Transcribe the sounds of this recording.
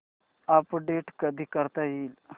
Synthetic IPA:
apɖeʈkəd̪ʱiːkəɾt̪aɦiːl

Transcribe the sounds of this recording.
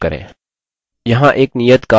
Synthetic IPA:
kəɾḛ̃ː | jɐɦãʔeːknijət̪kaː

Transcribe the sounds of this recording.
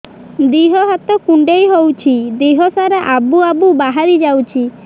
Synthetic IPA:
d̪iɦɔɦat̪ɔkuɳɖejɦowt͡ʃʰid̪iɦɔsaɾeʔabuabubaɦaɾid͡ʒawt͡ʃʰi

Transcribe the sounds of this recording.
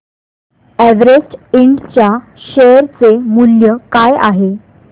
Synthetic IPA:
æʋɾesʈiɳɖt͡ɕja | ɕeəɾt͡semuljəkaja̰ɦe

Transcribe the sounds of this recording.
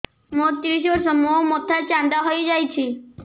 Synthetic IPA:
mot̪ɾiʃ̬osɔmoomot̪ʰat͡ʃand̪aɦojd͡ʒajt͡ʃʰi

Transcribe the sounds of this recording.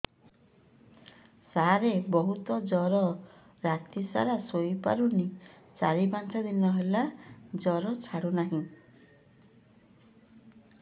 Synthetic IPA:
saɾebɔɦut̪ɔd͡ʒɔɾɔ | ɾat̪isa̰ɾasojpa̰ɾuni | t͡ʃa̰ɾibant͡ʃʰɔd̪inɔɦelad͡ʒɔɾɔt͡ʃʰaɽunaɦĩ

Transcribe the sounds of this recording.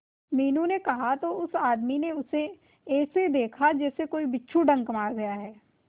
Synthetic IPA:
miːnũnekɐɦat̪oʊsaːd̪mineʊse | ɛːsed̪eːkʰad͡ʒɛːsekoːibɪtːʃʰuɖɐ̃ŋɡkɐmaːɾɡɐjaɦɛː

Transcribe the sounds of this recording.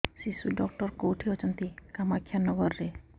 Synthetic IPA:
sisuɖɔkʈɔɾkowʈʰiɔt͡ʃɔnt̪ikamakʰːjanɔɡɔɾːe

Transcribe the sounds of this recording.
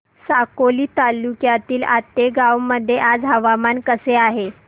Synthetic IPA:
sakoliːt̪alːukjat̪iːlat̪ːeɡawməd̪ʱːjeʔad͡zɦəʋamankəseaɦe

